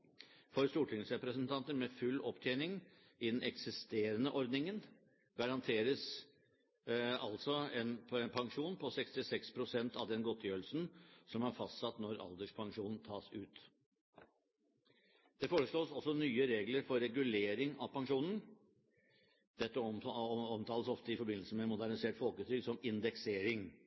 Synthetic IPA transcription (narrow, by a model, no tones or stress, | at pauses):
fɔɾst̪uːʈʰɪŋsɾɛpɾəsənt̪ʰɑnt̪əɾmɛfʉlːɔpt̪ʰjɛːnɪŋ | ɪd̪ɛnʔɛksɪst̪eːɾənəʔɔɾd̪nɪŋən | ɡ̥ɑɾɑnt̪ʰeːɾəs | ɑ̰lt̪sɔɛnɛnpʰɑŋʂuːnpʰɔsɛkst̪ɪsɛkspʰɾʊsɛnt̪ɑʋd̪ɛnɡɔt̪ʰːjøːɾlsn̩sɔmæɾfɑst̪sɑt̪ːnɔɾɑ̰ld̪əʂpʰɑŋʂuːnn̩t̪ʰɑːsʉːt̪ | d̪̥ɛfoːɾəʂɭoːsɔsːɔnyːəɾeːɡləɾfɔɾːɛɡʉleːɾɪŋɑʋpʰɑŋʂuːnən̩ | d̪̥ɛt̪ːəɔmt̪ʰɑːləsɔft̪əɪfɔɾbɪnlsəmɛːt̪mʊd̪æɳnɪseːʈfɔlkʉːt̪ʰɾʏɡsɔmɪnd̪ɛkseːɾɪŋ